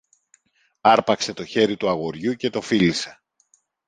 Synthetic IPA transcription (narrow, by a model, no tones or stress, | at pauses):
ɐɾpɐkse̞t̪o̞çe̞ɾit̪uɐɣo̞ɾʝuce̞t̪o̞filise̞̥